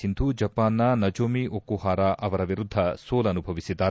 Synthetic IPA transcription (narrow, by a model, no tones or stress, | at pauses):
ind̪ʱud͡ʒɐpaːnːɐnɐd͡ʒoːmiokːuɦaːɾaʔɐʋɐɾɐʋiɾud̪ʱːɐsoːlɐnubʱɐʋisid̪ːaː